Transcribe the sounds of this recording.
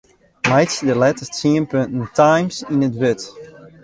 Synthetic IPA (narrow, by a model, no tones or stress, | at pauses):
majtsdəlɛtəstsiənpøntntʰajmsinətʋøt